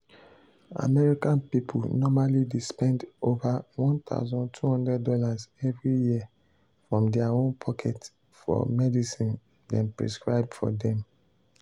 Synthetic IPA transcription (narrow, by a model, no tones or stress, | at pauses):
a̰mɛɹikãnpipʰulnɔmalidispɛ̃ndovawɔ̃nt̪a̰ʊzɔ̃ntʰuhɔ̃ndɹɛdːɔlazɛvɹiji | fɹɔ̃mdɛaõnpʰɔkʰɛt | fɔ̰mɛdisĩn | dɛ̃npɹḭskɹaɪb̚dfɔ̰dɛ̃m